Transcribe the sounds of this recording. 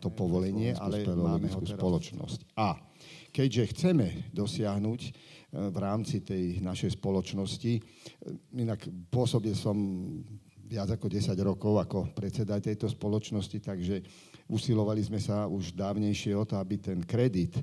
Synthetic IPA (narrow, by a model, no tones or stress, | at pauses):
t̪ɔpɔʋɔlɛɲɪɛʔʔalɛpɛlɔaɛmɛɦɔusɛɾpɔlɔt͡ʃnɔ̰sca | kɛɟʒɛxt͡sɛmɛd̪ɔsɪaɦnuːcʋɾaːmt͡sit̪ɛjnaʃɛjspɔlɔt͡ʃnɔsci | inakpʊɔsɔbilsɔm | ʋɪad͡zakɔɟɛsaɟɾɔkɔʊakɔpɾɛt͡sɛd̪at̪ɛjt̪ɔspɔlɔt͡ʃnɔscit̪aɡʒɛ | usilɔʋalizmɛsauʒd̪aːʊɲɛjʃɪɛɔt̪ɔabit̪ɛnkɾɛd̪it̪